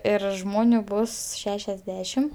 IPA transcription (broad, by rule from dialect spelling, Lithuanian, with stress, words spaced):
ˈɪr ˈʒmoːnʲʊ ˈbʊs ˈʃʲæːʃʲɛzʲˌdʲæːʃʲɪm